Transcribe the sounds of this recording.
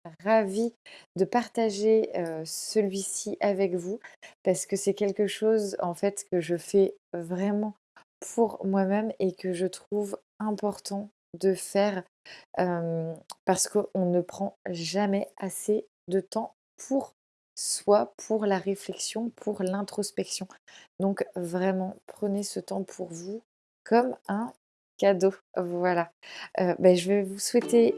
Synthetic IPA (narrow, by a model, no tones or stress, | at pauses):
ʁavid̪əpaʁt̪aʒeøsəlɥisiʔavɛkvupaʁsə̥kəsɛkʲɛlkəʃozɑ̃fɛt̪kəʒəfɛvʁɛmɑ̃ | pʰuʁmwamɛmekəʒət̪χuv | ɛ̃pɔʁt̪ɑ̃ | d̪əfɛːʁ | ømpaʁsə̥kəʔɔ̃nəpχɑ̃ʒamɛase | d̪ət̪ɑ̃ | pʰuʁ | swapʰuʁlaʁeflɛksjɔ̃pʰuʁlɛ̃t̪χɔspɛksjɔ̃d̪ɔ̃kvʁɛmɑ̃pχənesət̪ɑ̃pʰuʁvu | kʰɔmɛ̃ | kad̪ovwalaøbaʒəvɛvuswɛt̪e